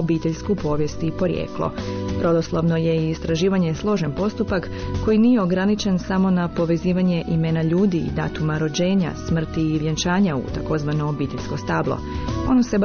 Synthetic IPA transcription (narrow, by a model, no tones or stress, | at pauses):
biːt̪eʎskupo̞ʋje̞st̪ipo̞ɾjḛːklˠo̰bɾo̞d̪o̞slˠoʋno̞je̞iːst̪ɾaʒiːʋaɲe̞slˠo̞ʒenpo̞st̪upakː | o̞jinije̞o̞ɡɾanit͡ʃe̞nsamo̞napo̞ʋe̞ziːʋaɲe̞ʔimenaʎuːd̪ḭːd̪a̰ːt̪umaɾo̞d͡ʑe̞ːɲa̰smr̩t̪iːʋjent͡ʃaːɲaṵt̪ako̞zʋano̞ːbiːt̪eʎʲsko̞st̪aːblˠo̞̰o̞̰nose̞b